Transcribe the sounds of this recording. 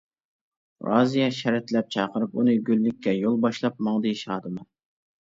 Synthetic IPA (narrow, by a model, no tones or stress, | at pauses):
ɾɑ̰zijɑʃɛɾɛt̪lɛp̚t͡ʃʰɑːqəɾɨp̚unɨɡʲylːɪkʲʰːɛjolˠbɑʃlˠɑp̚mɑŋd̪ɨʃɑːd̪ɨmɑ